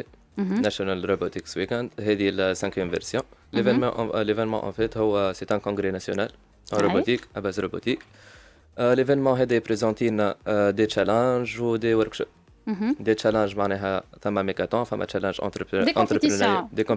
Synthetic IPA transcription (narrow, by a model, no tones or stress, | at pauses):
ɛ | nasjonalɾobot̪ikswikɛ̃nd̪ɦɛːd̪ilsɛ̃kjɛmvɛ̰ɾsjɔ̃levɛnmɑ̰̃ʔlevɛnmɑ̰̃ʔɑ̰̃fɛt̪ɦʊwːset̪ɛ̃kɔ̃ɡɾenasjo̰naːl | ɛ̃ɾobot̪ikabaːzɾobot̪ik | levɛnmɑ̃ɦɛːd̪ɛpɾezɑ̃t̪inad̪et͡ʃalɛ̃ʒud̪ewɛɾkʃ | d̪et͡ʃalɛ̃ʒmaʕnɛːɦɛθæmːamekat̪ɑ̃fɛmːa̰t͡ʃalɑ̃ʒɑ̰̃t̪ɾəpɑ̃t̪ɾəpind̪ekɔ̃